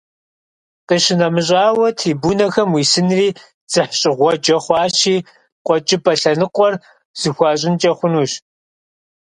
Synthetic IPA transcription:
qiːɕɪnɐmɨɕʼaːwɐtʰiːbunɐxɐmwiːsɨnriː | d͡z̥ɨħɕʼɪʁʷɔd͡ʒɐχʷɑːɕiː | qʷʼɔt͡ʃʼɪpɐɬɐnɨqʷʼɔr | z̥ɨxʷɑːɕʼɪnt͡ʃʼɐχʷʊnuːɕ

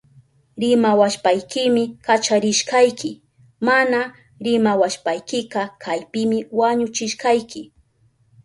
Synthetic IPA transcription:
ɾɪmawaʃpajkɪmɪkat͡ʃaɾɪʃkɑjkʰɪ | mana | ɾɪmawaʃpajkɪqɑkʰajpɪmɪwaɲʊt͡ʃɪʃqɑjkɪ

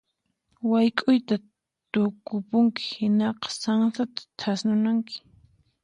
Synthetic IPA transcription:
wajkʼʊjt̪a | t̪ʊkʊpʊŋkɪ̥hɪnɑqɑ̥saŋsat̪ḁt͡ʃʰasnʊnaŋkɪ̥

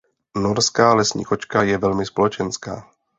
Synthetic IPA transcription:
noɾskaːlɛsɲḭːkot͡ʃkajɛvɛlmɪspolɛt͡ʃɛnska̰ː

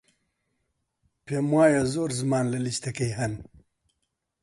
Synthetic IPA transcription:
pemwaːjazoːɾzmaːnlɐliɕt̪ɐkejɦɐn

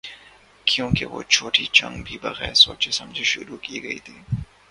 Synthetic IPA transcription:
kʰjõːkeʋo̰t͡ʃʰoːʈit͡ʃɐ̰̃ŋɡbʱibɐɣɛːɾsoːt͡ʃesɐ̃md͡ʒʱeʃʊɾukiɡɐit̪ʰiː

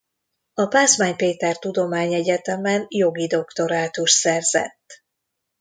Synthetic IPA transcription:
ɒpaːsmaːɲpeːt̪ɛrt̪ud̪o̞maːɲɛɟɛt̪ɛmɛnjo̞ɡid̪o̞kt̪o̞ɾaːt̪uʃsɛrzɛ̰t̪ː

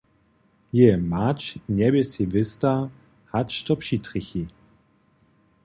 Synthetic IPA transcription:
jemat͡ʃnʲɛbɛsivɪsta | hat͡ʃtɔpʃitʁɪçi

